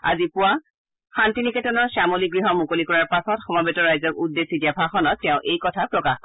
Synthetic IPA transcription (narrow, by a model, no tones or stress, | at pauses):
a̰zipʊwa | xantinikɛtɔnɔɹsamoliɡɹiɦɔmukolikɔɹaɹpasɔtxɔmabetɔɹajzɔkudːesidiabʱaxɔnɔtːɛʊ̃ʔejkɔtʰapɹɔkax